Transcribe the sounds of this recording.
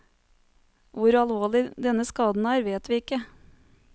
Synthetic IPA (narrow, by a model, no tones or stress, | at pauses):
ʋʊɾɑlʋoːɭɪd̪ɛnəskɑːd̪n̩æːɾʋeːt̪ʋiːɪkːə